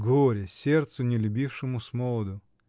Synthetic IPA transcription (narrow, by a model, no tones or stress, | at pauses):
ɡoɾʲɪsʲert̪sʊnʲɪlʲʊbʲifʂɨmʊsmolˠəd̪ʊ